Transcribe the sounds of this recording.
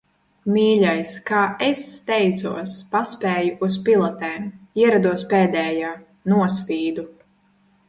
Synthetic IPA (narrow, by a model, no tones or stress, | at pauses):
miːʎʲajskaːest̪ɛjt̪suɔspaspɛːjuʔuspilˠɔt̪ɛːmiɛɾad̪uɔspɛːd̪ɛːjaː | nuɔs̬vʲiːd̪u